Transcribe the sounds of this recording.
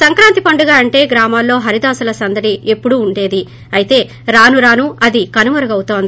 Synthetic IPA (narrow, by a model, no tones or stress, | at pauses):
sɐŋkɾaːnt̪ipɐɳɖuɡaːɐɳʈe̞ːɡɾaːmaːlːo̞ːɦɐɾid̪aːsulɐsɐnd̪ɐʈie̞pːuɽuːɳɖe̞ːd̪i | ɐjit̪e̞ː | ɾaːnuɾaːnuɐd̪ikɐnumɐɾɐɡɐwut̪oːnd̪i